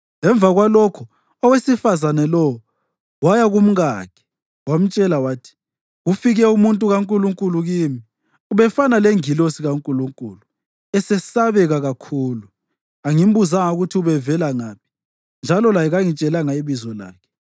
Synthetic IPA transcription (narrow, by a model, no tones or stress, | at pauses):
ŋɛɱb̪vʱaɣwalɔkʰɔ | ɔwesifazanɛlɔɔ | wajaɣum̩ɣa̰ːkʰɛ̥ | wam̩t͡ʃʼɛlawaːtʰi̥ | ɣufiɣɛumuntʼuɣaŋkʼuluŋkʼuluɣiːmi | uβɛfanaleŋilosiɣaŋkʼuluŋkʼulu | ɛsɛsaβɛɣaɣakʰuːlu | aŋim̩buzaŋauɣutʰiuβɛvɛlaŋaːpʰi̥ | nd͡ʒʱalɔlajɛɣaŋit͡ʃʼɛlaŋaiβizɔla̰ːkʰɛ̥